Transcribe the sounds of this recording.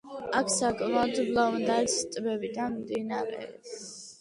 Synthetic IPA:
akʰsakʼvad̪zublavnd̪aɛsst̪ʼbɛbid̪anmd̪inaɾɛ̰ps

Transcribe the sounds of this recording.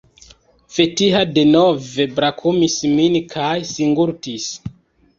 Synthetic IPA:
fetiɦade̞nove̞bɾakʰumisminkʰajsiŋɡuɾtis

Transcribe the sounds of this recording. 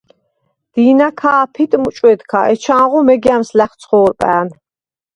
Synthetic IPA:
d̪̥iːnakʰaːpʰit̪ʼmut͡ʃʼwɛd̪kʰa̰ʔɛt͡ʃʰãːʁɔmɛɡiamslæχt̪sʰχɔːɾpʼæ̰ːn

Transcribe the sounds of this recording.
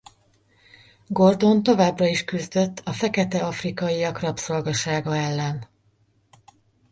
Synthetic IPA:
ɡo̞rd̪o̞nt̪o̞vaːbrɒiʃkyzd̪ø̞t̪ːɒfɛkɛt̪ɛɒfrikɒjiɒkrɒpso̞lɡɒʃaːɡɒɛlːɛn

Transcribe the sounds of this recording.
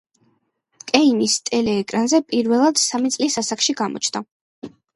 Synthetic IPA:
kʼɛinist̪ʼɛlɛːkʼɾanzɛpʼiɾvɛlˠad̪̥samit̪sʼlisasakʃiɡamɔ̰t͡ʃʰna

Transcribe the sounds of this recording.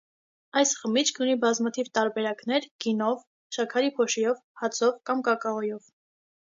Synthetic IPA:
ɑjsχəmit͡ʃʰkʰunibɑzmɑt̪ʰivt̪ɑɾbɛɾɑknɛɾɡ̥inɔv | ʃɑkʰɑɾipʰɔʃɛjɔvhɑt͡sʰɔvkɑmkɑkɑɔjɔv

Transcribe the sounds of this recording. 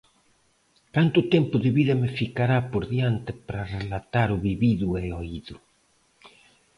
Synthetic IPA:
kant̪ut̪empʊðeβiðɐmefikaɾapoɾðjant̪epɾarelat̪aɾuβiβiðueoiðu

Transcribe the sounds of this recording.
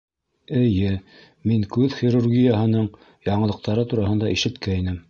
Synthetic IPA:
ɘ̆jɘ | miŋkʉðχiɾurɡʲijaɦɤ̆nɤɴ | jɑɴɤ̆ɤ̆q̚t̪ɑɾɤt̪uɾɑɦɤ̆nd̪ɑiʃɘ̆t̪kæinɘm

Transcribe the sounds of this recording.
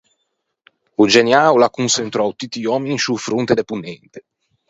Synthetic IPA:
ud͡ʒenjaːwlakunsent̪ɾɔwt̪it̪ːiɔːminisufɾunt̪ed̪epunːɛnt̪e̥

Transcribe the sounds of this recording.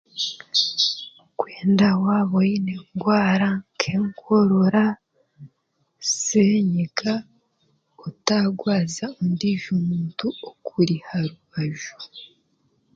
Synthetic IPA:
kweːndawaβojineŋɡwaːɾaŋkʰeːŋkʰoɾoɾa | seɲeka | otaɡwaːzaundiʒumuːntuokʰuɾihaɾuβaʒu

